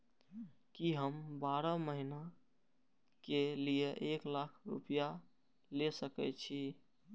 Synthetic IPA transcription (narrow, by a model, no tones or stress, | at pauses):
kiɦəmbaɾəməɦina | kelijeʔeklakʰɾṵpija | lesəkɛ̰t͡ʃʰi